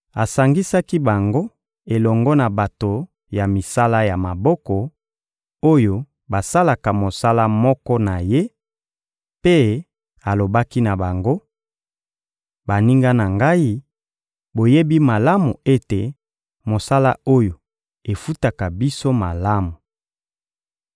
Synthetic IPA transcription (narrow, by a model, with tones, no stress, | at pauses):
a˨sa˨ŋɡi˦sa˦ki˦ba˨ŋɡo˦ | e˨lɔ˨ŋɡɔ˦na˨ba˨to˨ | ja˨mi˨sa˦la˦ja˨ma˨bɔ˦kɔ˨ | o˦jo˨ | ba˨sa˦la˨ka˨mo˨sa˦la˦mɔ˦kɔ˦na˨je˦ | pe˦ | a˨lo˨ba˦ki˦na˨ba˨ŋɡo˦ | ba˨ni˦ŋɡa˦na˨ŋɡa˦i˦ | bo˨je˦bi˦ma˨la˦mu˨e˦te˨ | mo˨sa˦la̰˦o˦jo˨ | e˨fu˦ta˨ka˨bi˦so˦ma˨la˦mu˨